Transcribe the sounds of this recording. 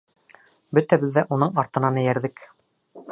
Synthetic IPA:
bɵt̪æbɘðːæʔunɤɴɑɾt̪ɤ̆nɑnæjæɾðɘk

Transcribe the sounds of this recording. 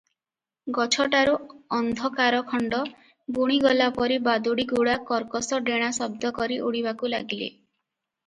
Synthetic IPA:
ɡɔt͡ʃʰɔʈaɾuɔnd̪ʱɔkaɾɔkʰɔɳɖɔ | buɽ̃iɡɔlapɔɾibad̪uɽiɡuɽakɔɾkɔsɔɖeɽ̃asɔbd̪ɔkɔɾiʔuɽiβakula̰ɡilḛ

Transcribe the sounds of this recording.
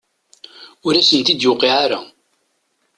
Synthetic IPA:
ʊɾæsənt̪id̪jʊqːiʕaɾa̰

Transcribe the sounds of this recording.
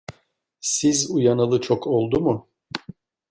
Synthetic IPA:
sizujanalˠɯt͡ʃʰokʰolˠd̪umu

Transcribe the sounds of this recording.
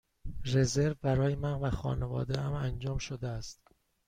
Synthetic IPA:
re̞ze̞ɾvbæɾɒːjemænvæxɒ̰ːnevɒ̰ːd̪eæmænd͡ʒɒːmʃod̪eæst̪

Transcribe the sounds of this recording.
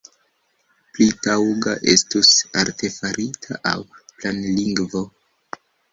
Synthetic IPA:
plitawɡaʔe̞stusaɾte̞faɾitʰaʔa̰wplanliŋɡvo̞

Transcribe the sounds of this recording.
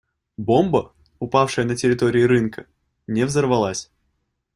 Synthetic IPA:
bo̞mbə | ʊpafʂɨjənətʲɪɾʲɪt̪o̞ɾʲɪːɾɨnkə | nʲɪvzərvɐlˠasʲ

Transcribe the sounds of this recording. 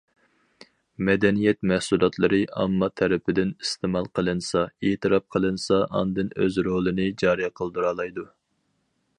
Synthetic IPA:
mɛd̪ɛnijɛt̪mɛhsulˠɑt̪ʰlˠɨɾɨʔɑ̰mːɑt̪ʰɛɾɪpʰɪd̪ɪnist̪ʰemɑlˠqʰəlˠɨnsɑeːt̪ʰɨɾɑp̚qʰəlˠɨnsɑʔɑnd̪ɨnøzɾolˠɨnɪd͡ʒɑːɾijqʰəlˠd̪uɾɑːlˠɑjd̪u

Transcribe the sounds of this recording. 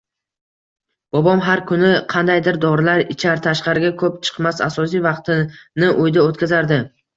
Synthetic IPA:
b̥ɒbɒmɦaɾkʰʊnɪqʰɑnd̪ajd̪ɪɾd̪ɒɾɪlaɾɪt͡ʃʰaɾt̪ʰaʃqɑɾɪɡʲakʰɵpt͡ʃʰɨ̥qmasa̰sɒs̬ijvɑqt̪ɪnɪʔʊjd̪aot̪kʲʰazaɾd̪ɪ

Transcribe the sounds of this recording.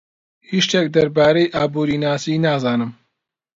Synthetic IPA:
hiːʃt̪ʰɛk̚d̪ɐɾbaːɾejʔaːbuːɾiːnaːsiːnaːzaːnɨm

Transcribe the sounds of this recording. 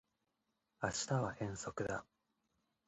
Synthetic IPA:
aɕi̥t̪aβaʔẽ̞ɰ̃so̞kɯ̟d̪a̰

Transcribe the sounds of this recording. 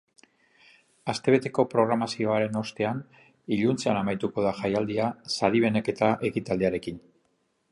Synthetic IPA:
ast̪e̞β̞e̞t̪e̞ko̞pɾo̞ɣ̞ɾamasio̞aɾe̞no̞st̪e̞an | iʎunt͡seanamajt̪uko̞ð̞aʝajald̪iasaɾiβ̞e̞ne̞ke̞t̪aʔe̞kit̪ald̪iaɾe̞kin

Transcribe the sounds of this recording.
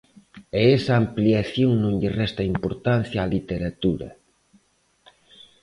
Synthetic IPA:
eɛsɐːmpliaθjoŋnõŋʎɪrɛst̪ɐimpoɾt̪an̟θjaaːlit̪eɾat̪uɾɐ̰

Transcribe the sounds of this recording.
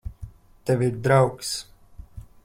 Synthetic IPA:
t̪ɛvʲiɾd̪ɾawks

